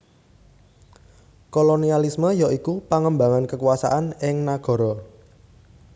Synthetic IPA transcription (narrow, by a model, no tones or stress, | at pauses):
kolonialisməjaʔikupaŋəmbaŋankəkuasa̰ʔanɪŋnaɡ̥ɔ̤ɾɔ